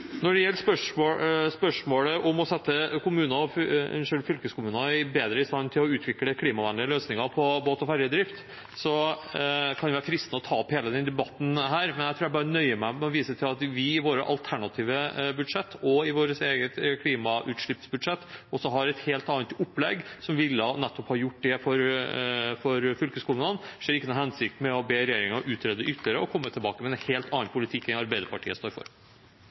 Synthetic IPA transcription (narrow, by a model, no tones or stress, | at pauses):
nɔɖɛjɛlːʂpœʂspœʂmoːləʔɔmɔsɛt̪ːəkʰʊmʉːnɑɔfɛ̰nʂølfʏlkəskʊmʉːnɑɪbeːd̪ɾəɪst̪ɑnːt̪ʰɪlɔʉːt̪ʰʋɪkləkʰliːmɑʋænlɪəløːsnɪŋɑpʰɔboːt̪ɔfæɾjəd̪ɾɪft̪ | sɔ | kʰɑnʋɪʋæɾfɾɪst̪nəɔt̪ʰɑːɔpheːləd̪ɛnd̪ɛbɑt̪ːn̩ɦæːɾmɛnjæɪt̪ʰuːɾjæbɑːɾənœʏəmæɪmɛɔʋiːsət̪ʰɪlɑt̪ʋɪɪʋoːɾə̰ʔɑ̰lt̪ʰæɳɑt̪ʰiːʋəbʉd̪ʂɛt̪ʰːɔɪʋoːɾəseːɡət̪kʰliːmɑʔʉːt̪ʂɭɪpsbʉd̪ʂɛt̪ːɔsɔɦɑɾɛt̪heːlt̪ɑːnt̪ʊpːlɛɡsɔmʋɪlːənɛt̪ːɔphɑɾjʊʈːd̪ɛfɔɾ | fɔɾfʏlkəskuːlnənʂeːɾɪkːənʊhɛnsɪk̚t̪mɛɔbeːɾɛjeːɾɪŋəʔʉːt̪ɾɛːd̪ːəʔʏt̪ʰːləɾəɔkʰɔmːət̪ʰɪlbɑːkəmɛɛnheːlt̪ʰɑnɑnpʰʊlɪt̪ʰɪkːɛŋɑɾbæɪd̪əɾpʰɑʈʰiːəst̪oːɾfɔ̰ɾ